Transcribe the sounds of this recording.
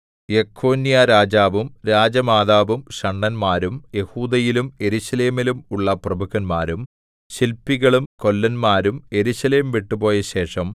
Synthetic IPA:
jekʰːo̞ːnijaɾaːd͡ʑaːʋumɾaːd͡ʑɐmaːðaːʋumɕɐɳːɐnmaːɾumje̞huːd̪ɐjilume̞ɾuɕɐle̞ːmilumuɭːɐprɐbʱuɣɐnmaːɾum | ɕilpːiɣɐɭumko̞lːɐnmaːɾume̞ɾuɕɐle̞ːmʋiʈːupo̞ːjɐɕe̞ːʂɐm

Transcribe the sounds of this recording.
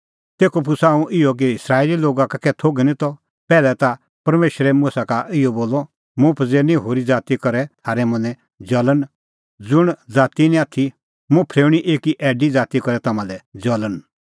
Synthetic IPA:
t̪eːkopʰʊsaːũʔɪɔk̬iɪsɾaːeliloːɡakakɛt̪ʰoːɡɛnĩt̪ɔ | pɛːlɛt̪a | pɐɾmeːʃɾɛmũsakaʔɪɔboːlːɔ | mũpʰɐd͡zeːɾnĩɦoːɾid͡zaːt̪ikɐɾɛt̪ʰaːɾɛmɐ̃nɛ̃ | d͡ʒɐlən | d͡zʊɽ̃d͡zaːt̪inĩaːt̪ʰi | mũpʰɾeːɽ̃iʔeːkiʔɛːɖid͡zaːt̪ikɔɾɛt̪ɐmãlɛd͡ʒɐlən

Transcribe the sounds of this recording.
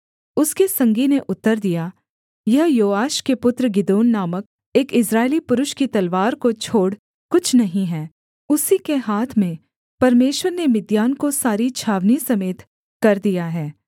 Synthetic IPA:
ʊskesɐ̃ŋɡineʔʊt̪ːəɾd̪ija | jɐɦjoːaːʃkepʊt̪ɾɡɪd̪oːnːaːmək̚ | eːkɪsɾaːɪlipʊɾʊʃkit̪ɐlʋaːɾkot͡ʃʰoːɽ | kʊt͡ʃʰnɐɦĩɦɛː | ʊsikeɦaːt̪ʰmẽ | pɐɾmeːʃwəɾnemɪd̪jaːnkosaːɾit͡ʃʰaːʋnisɐmeːt̪ | kɐɾd̪ijaɦɛː

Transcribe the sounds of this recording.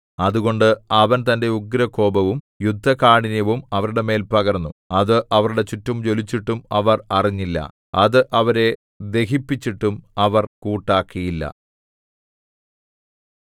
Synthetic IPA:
ɐðuɣo̞ɳɖɨɐʋɐnt̪ɐnde̞uɡɾɐko̞ːbɐʋum | jud̪ʱːɐkaːɳinjɐʋumɐʋɐɾuɽe̞me̞ːlpɐɣɐrnːuɐðɨʔɐʋɐɾuɽe̞t͡ɕutːɐmt͡ɕo̞lit͡ɕːiʈːumɐʋɐrɐriɲːilːɐ̰ | ɐðɨʔɐʋɐɾe̞ | d̪e̞ɦipːit͡ɕːiʈːumɐʋɐrkuːʈːaːkːijilːɐ̰

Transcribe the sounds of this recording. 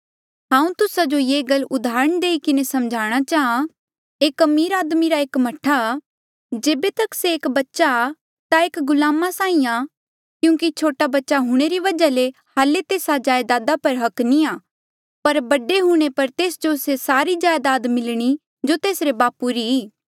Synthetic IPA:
ɦãːũt̪ʊsad͡ʒojeːɡɐlʊd̪aːɾəɽ̃d̪eːikɪnesɐmd͡ʒʱaːɽ̃at͡ʃaːɦã | eːkːɐmiːɾaːd̪miɾaeːkmɐʈʰa | d͡ʒeːbet̪ɐkseːkbɐtːʃa | t̪aeːkɡʊlaːmasaːĩa | kjũːkit͡ʃʰoːʈabɐtːʃaɦʊɽ̃eɾiʋɐd͡ʒalehaːlet̪eːsad͡ʒaːjd̪aːd̪apɐɾɦɐkniaː | pɐɾbɐɖeɦũːɽ̃epɐɾt̪eːsd͡ʒosesaːɾid͡ʒaːjd̪aːd̪mɪlɽ̃i | d͡ʒot̪eːsɾebaːpːuɾiiː

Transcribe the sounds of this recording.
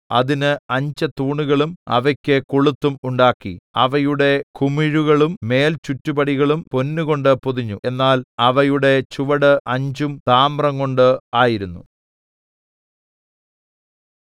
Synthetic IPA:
ɐðinɨɐɲd͡ʑɐt̪uːɳuɣɐɭumɐ̰ʋɐkʲːɨkuɭut̪ːumuɳɖaːkːḭɐʋɐjuɽe̞kumiɻuɣɐɭumːe̞ːlt͡ɕutːubɐɽiɣɐɭumponːuɣo̞ɳɖɨpoðiɲːue̞nːaːlɐʋɐjuɽe̞t͡ɕuʋɐɽɨʔɐɲd͡ʑumt̪aːmrɐŋko̞ɳɖɨaːjiɾunːṵ

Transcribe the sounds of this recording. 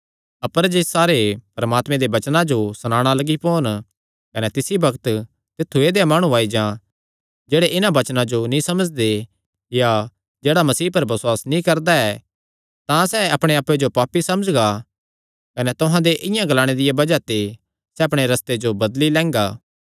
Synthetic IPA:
ɐpəɾd͡ʒessaːɾepɐɾɐmaːt̪mẽd̪ebɐt͡ʃnãd͡ʒosɐnãːɽ̃alɐɡipoːn | kɐnɛt̪ɪsibɐkt̪ | t̪ɪt̪ʰːued̪ejamaːɽ̃ũaːid͡ʒã | d͡ʒeːɽeʔɪnãbɐt͡ʃnãd͡ʒonĩsɐməd͡ʒd̪e | ja | d͡ʒeːɽamɐsiːpɐɾbɐsʊwaːsnĩkɐɾd̪aɛː | t̪ãsɛɐpɽ̃ẽaːpːed͡ʒopaːpisɐməd͡ʒɡa | kɐnɛt̪ʊɦãd̪eʔɪ̃jãɡɐlaːɽ̃ed̪ɪjabɐd͡ʒat̪e | sɛɐpɽ̃eɾɐst̪ed͡ʒobɐd̪lilɛ̃ːŋɡaː

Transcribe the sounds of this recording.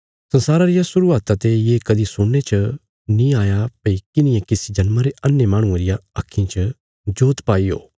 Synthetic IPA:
sɐ̃nsaːɾaɾɪjasʊɾuaːt̪at̪ejeːkɐd̪isʊɽːet͡ʃʰɐ | nĩaːjapɐikɪnɪjãkɪsid͡ʒɐnmãɾeʔɐnːemaːɽ̃ũãɾɪjaɐkʰːĩt͡ʃɐ | d͡ʒoːt̪paːiɦo̰ː

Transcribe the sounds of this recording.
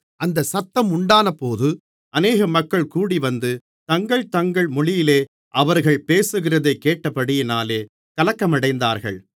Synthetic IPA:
ʔɐnd̪ɐsɐt̪ːɐmʊɳɖaːnɐpːoːðɯ | ɐneːɣɐmɐkːɐɭkuːɽiʋɐnd̪ɯ | t̪ɐŋɡɐɭt̪ɐŋɡɐɭmʊɭɪjɪleː | ʔɐʋɐɾɣɐɭpeːsɯɣɪrɐðɐɪkːeːʈːɐpːɐɽɪjɪnaːleː | kɐlɐkːɐmɐɽɐɪnd̪aːɾɣɐ̰ɭ

